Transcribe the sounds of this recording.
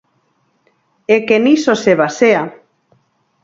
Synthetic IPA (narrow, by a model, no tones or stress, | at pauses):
ekenisoseβasea